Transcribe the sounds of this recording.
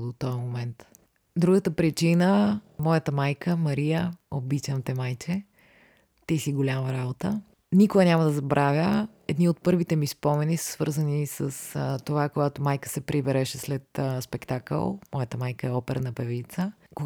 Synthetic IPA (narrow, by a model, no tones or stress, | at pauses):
d̪ot̪ɔjəmomɛnt̪ | d̪ɾuɡət̪əpɾit͡ʃinəmɔjət̪əmajkəmɐɾijəobit͡ʃɐmt̪ɛmajt͡ʃɛ | t̪isiɡolʲamɐɾabot̪ə | nikoɐnʲamɐd̪ɐzɐbɾʔavʲjə | ɛd̪niot̪̚pɤɾvit̪ɛmispɔmɛnisə̥sv̥ɤɾzənisəst̪ovakoɡat̪omajkə̥sɛpɾibɛɾɛʃɛslɛt̪spɛkt̪akə̰lˠmɔjət̪əmajkəɛɔpɛɾənɐpɛvit̪sə | ko